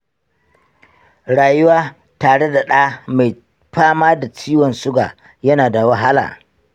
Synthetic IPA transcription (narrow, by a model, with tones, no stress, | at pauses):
ɽaː˨jʊ˦waː˦ | taː˨ɽe˦da˨ɗaː˦ma˨j | ɸaː˦maː˦da˨t͡ʃiː˦wɔ˨nsʊ˦ɡa̰ː˨ | jɐ˦naː˨da˨wa˦ɦa˦la̰ː˨